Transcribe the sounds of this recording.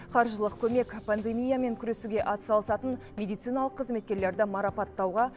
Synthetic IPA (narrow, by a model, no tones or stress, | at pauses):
qʰɑɾʒəlˠəq̚kʲʰɵme̞kʲpand̪e̞mʲijame̞ŋkʲʰʏɾe̞suɡʲe̞ʔɑt̪ə̥sɑlˠəsɑt̪ən | mʲe̞d̪ijt̪sɨjnɑlˠəqʰːəzme̞t̪̚kʲe̞ɾle̞ɾd̪ɪmɑɾɑpɑt̪ːɑwʁɑ